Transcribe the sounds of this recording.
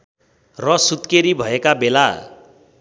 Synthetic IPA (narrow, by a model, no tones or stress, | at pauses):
rʌsut̪keɾibʱʌekabela